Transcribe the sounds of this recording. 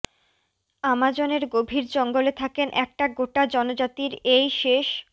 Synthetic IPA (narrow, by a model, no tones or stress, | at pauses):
amad͡ʑoneɾɡobʱiɾd͡ʑɔŋɡolet̪ʰakenʔɛk̚ʈaɡoʈad͡ʑɔnod͡ʑat̪iɾejʃeʃ